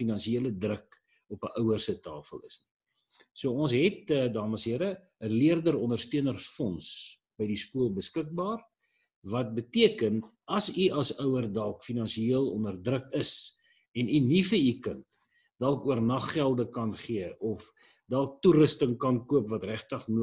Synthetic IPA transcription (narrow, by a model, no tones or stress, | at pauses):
finɐnʃieələdrək | ɔpəʔœwərsətɑːfəlˠə̰sni̥ | suəɔnsɦɛt̚ədɑːməsɦiəɾə | əliərdəɾɔndərstiənərfɔns | b̥əjdiskuəlˠbəskək̚bɑːr | vɐt̚bətiəkənʔɐsiɐsœwərdɐlˠkfinɐnʃiiəlˠɔ̰ndərdrəkəs | ɛninifəikənt | dɐlˠkuərnɐχːælˠdəkɐnχiəʔɔf | dɑlˠk̚turəstəŋkɐnkuəpvɐtræχtəχnuə